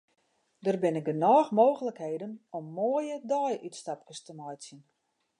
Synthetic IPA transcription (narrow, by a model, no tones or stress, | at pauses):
dərbɪnɪk̚dənɔːxmoːɣələkheːdənɔmːoəjədɔjʔytstap̚kəstəmɔjsjən